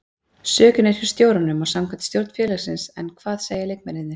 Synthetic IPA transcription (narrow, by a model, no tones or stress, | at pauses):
sœːcʏnɛr̥fɪɾ̥st̪joːwɾanʏmawsamkʰvant̪st̪jowɾt̪n̥fjɛːlaɣsɪnsɛnkʰvaːðseːjalejk̚mɛɾɪðnɪɾ̥